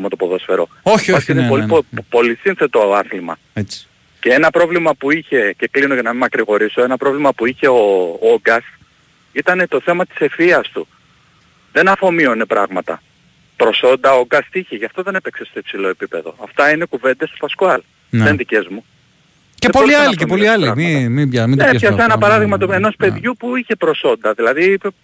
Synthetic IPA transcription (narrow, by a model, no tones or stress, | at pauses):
mut̪o̞po̞ðo̞sfe̞ɾo̞̰ | opɐinepoipo̞lisinθe̞t̪oɐθlimɐ | et͡s | ce̞e̞nɐpɾo̞vlimɐpuiçe̞ce̞klinocɐnɐmimɐkɾiɣo̞ɾiso̞e̞nɐpɾo̞vlimɐpuiçe̞ooɡɐst̪ | it̪ɐne̞t̪o̞θe̞mɐt̪i̥se̞fiɐst̪u | ðe̞nɐfo̞mio̞ne̞pɾɐɣmɐt̪ɐ̰ | pɾo̞so̞nd̪ɐoɡɐst̪içeʝɐft̪o̞ðe̞ne̞pekse̞st̪oipsilo̞e̞pipe̞ðo̞̰ɐft̪ɐine̞kuve̞nd̪est̪o̥pɐskoɐl | end̪ice̞zmu | cespoliɐliepoliɐlimimibjɐminesçɐssenɐpɐɾɐðiɣmɐt̪oeno̞spe̞ðʝupuiçe̞pɾo̞so̞nd̪ɐðilɐðiipe